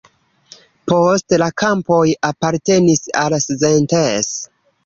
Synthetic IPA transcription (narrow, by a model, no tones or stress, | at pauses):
postlakampo̞japaɾte̞nisalszentes